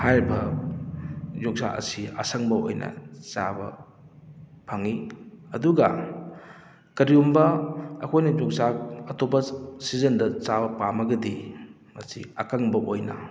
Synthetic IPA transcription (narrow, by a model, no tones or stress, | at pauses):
hajbɐ | d͡ʒok̚saʔɐ̰siɐ̰sɐŋbɐo̰jnʔɐ̰t͡ʃa̰bɐ̰ | pʰaŋiɐduɡɐ̰ | kɐɾiumbɐɐ̰kʰojnɐd͡ʒok̚saɐtobɐsizɐndɐt͡ʃabɐpamɐɡɐdi | mɐsiɐkaŋbɐʔojnɐ̰